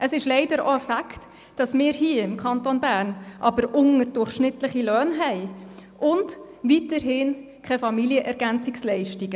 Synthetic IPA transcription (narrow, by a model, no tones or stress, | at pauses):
əsɪʃlɛɪdəɾo̰əfækt | d̥ɑsmɪːɾhiːəɪmkʰɑntonbæːrnʔɑbəɾʊŋəɾdʊrχʃnɪtləχilœːnɦɛɪʔʊnd | ʋitəɾɦɪnkʰχɛfɑmiliəʔɛɾɡænt͡sɪkslɛɪʃtiɡ̥ə